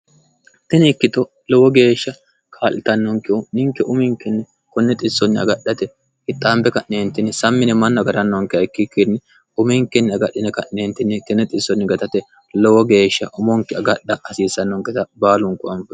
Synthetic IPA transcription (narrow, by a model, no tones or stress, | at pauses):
t̪ɪnɪkːɪt̪ɔ | lɔwɔɡe̞ːʃːɐ | kʰaːlɪt̪ɐnːɔŋkɪɔnɪŋkːɛʔʊmɪŋkːɛnːɛ | kɔnːɛt̪ʼɪsːɔnːɪɐ̰ɡɐɗɐt̪ɛ | hɪt̪ʼːaːmbɛkɐʔneːnt̪ɪnːsɐmːɪnɛmɐnːɔɐɡɐɾɐnːɔŋkːɪɐɪkːɪkːɪnːɛ | ʊmɪŋkːɛnːɛɐɡɐɗːɪnɛkɐʔneːnt̪ːɪnːɛt̪ɪnɛt̪ʼɪsːɔnːɪɡɐt̪ɐt̪ɛ | lɔwɔɡe̞ːʃːɐʔʊmɔŋkːɪɐɡɐɗːɐɐsiːsɐnːɔŋkɛt̪ɐbaːlʊŋkːʊɐmfɛ